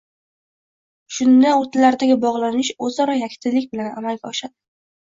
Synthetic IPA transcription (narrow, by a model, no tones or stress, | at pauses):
ʃʊnd̪aot̪ʰlaɾd̪aɡʲɪbɒʁlˠanɪʃɵzɒɾɒjakʲʰt̪ʰɪlɪkʲbɪlanamalɡʲaɒʃad̪̥ɪ̥